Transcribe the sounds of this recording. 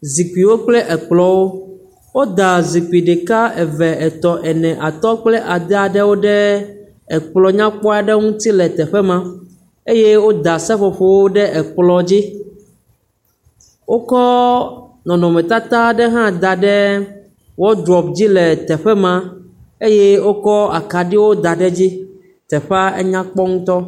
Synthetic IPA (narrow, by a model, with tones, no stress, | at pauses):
zi˨ki˨wo˦k͡plɛ˦ʔɛ˨k͡plɔ˨wo˦ | wo˦d̪a˨zi˨k͡pi˨ɖe˨ka˦ɛ˨vɛ˨ɛ˨t̪ɔ˨ʔɛ˨nɛ̃˨ʔa˨t̪ɔ˦k͡plɛ˦ʔa˨d̪ɛ˦a˨ɖɛ˦wo˦ɖɛ˦ | ɛ˨k͡plɔ˨ɲã˦k͡pɔ˦a˨ɖɛ˦ŋũ˦t̪i˦lɛ˨t̪ɛ˨ɸɛ˦mã˦ | e˦je˦wo˦d̪a˨sɛ˦ɸɔ˨ɸo˦wo˦ɖɛ˦ʔɛ˨k͡plɔ˨d͡ʑi˦ | wo˦kɔ˦ | nɔ̃˨nɔ̃˨mɛ̃˨t̪a˦t̪a˦ɖɛ˦ɦã˦d̪a˨ɖɛ˦ | wɔ˦d̪ɾɔ˨pd͡ʑi˦lɛ˨t̪ɛ˨ɸɛ˦mã˦ | e˦je˦wo˦kɔ˦a˨ka˨ɖi˦wo˦d̪a˨ɖɛ˦d͡ʑi˦ | t̪ɛ˨ɸa˦ḛ˦ɲã˦k͡pɔ˦ŋũ˦t̪ɔ˦